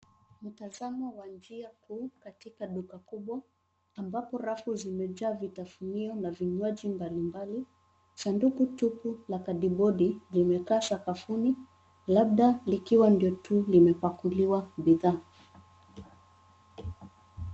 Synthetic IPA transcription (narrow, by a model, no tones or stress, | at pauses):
m̩tazamɔwand͡ʒiakʰuːkatikaɗukakuɓwaː | mbapɔɾafuzimɛd͡ʒaːvitafuniɔnaviɲwad͡ʒimbalimbali | sandukutupulakaɗiɓɔɗilimɛkaːsakafuni | laɓ̚ɗalikiwandiɔtʰulimɛpakuliwaɓiðaː